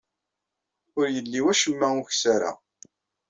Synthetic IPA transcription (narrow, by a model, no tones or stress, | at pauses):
ʊɾjəlːiwæʃəmːæʊçsaɾa̰